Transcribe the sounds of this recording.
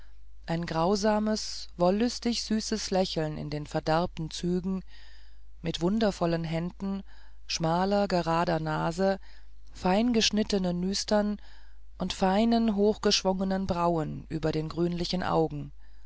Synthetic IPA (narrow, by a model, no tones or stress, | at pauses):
ʔaɪnɡʁaʊzaːməsvɔlːʏstɪçz̥yːsəslɛçl̩nɪ̰ndeːnfɛɐdɛɐp̚tn̩t͡syːɡŋ̩ | mɪtv̥ʊndɐfɔlənɦɛndn̩ | ʃmaːlɐɡəʁaːdɐnaːzə | faɪnɡəʃnɪtənənːyːstɐn | ʔʊntfaɪnənɦoːxɡ̥əʃv̥ʊŋənənbʁaʊənʔy̰ːbɐɾeːnɡʁyːnlɪçn̩ʔa̰ʊɡŋ̩